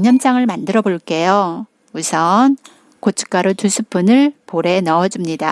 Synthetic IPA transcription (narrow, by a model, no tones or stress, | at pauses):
ɲʌmt͡ɕ͈aŋɯɭmandɯɾʌboɭk͈e̞jo | usʰʌn | kot͡ɕʰɯ̥k͈aɾotusʰɯp͈unɯɭpoɾe̞nʌʌd͡ʑimɲida